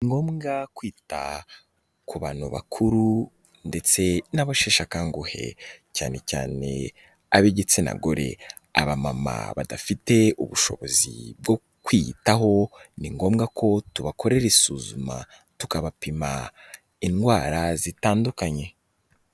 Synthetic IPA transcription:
niŋɡo̞ːmɡakwiːta̰ | kuβaːnhoβa̰kʰuɾu | nde̞t͡se̞naβaʃeːʃakaːŋɡuhe̞̰caːne̞ca̰ːne̞̰ | aβeɟet͡sena̰ɡoɾe̞̰ | a̰βamama̰βadafite̞uβuʃo̞̰βo̞zḭb̚ɡo̞ | kwitaɦo̞niŋɡo̞ːmɡakʰo̞tuβakʰo̞ɾe̞ɾesuːzuma̰ | tukaβapima | inɡwaːɾazitaːndukaɲe̞

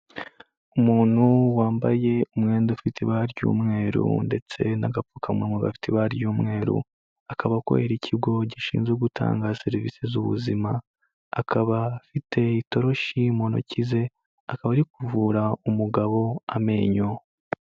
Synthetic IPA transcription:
umuːn̥huwaːmbaje̞umŋe̞ːndeufitʰiβaɾɟṵːmŋe̞ːɾṵnde̞t͡se̞naɡapfukʰamŋeːmɡoɡa̰fi̥tiβaɾjuːmŋe̞ːɾṵ | akʰaβako̰eɾicʰiɡo̞ɟiʃḭːnzɡeɡutʰa̰ːŋɡase̞ɾivḭːsezuβṵzimaː | kʰaβafitʰe̞ito̞ɾo̞ʃimo̞no̰cize̞ | akaβaɾikuvuːɾaumuɡaβo̞ame̞ːɲo

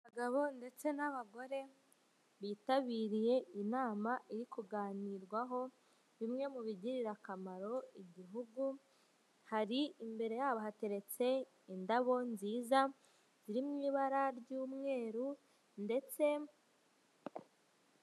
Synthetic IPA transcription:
βaɡaβo̞nde̞t͡se̞naβaɡo̞ɾe̞ | βiːtaβiːɾije̞inaːmaʔiɾikuɡaːniːɾɡwaɦo̞ | βimŋe̞muβiɟiɾiɾakamaɾo̞iɟiɦuɡu | haɾiimbe̞ɾe̞jaːβaɦate̞ɾe̞t͡se̞ | indaβo̞nziːza | z̥iɾimŋiːβaɾaɾɟuːmŋe̞ːɾu | nde̞t͡se̞

